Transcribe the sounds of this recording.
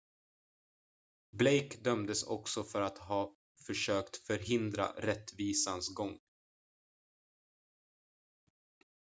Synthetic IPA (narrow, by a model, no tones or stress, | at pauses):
blejkd̪œmd̪əsɔ̰ksɔfœɾat̪ɦɑː | fœʂøːkt̪fœɾɦɪnd̪ɾa̰ɾɛt̪ːviːsansɡɔŋː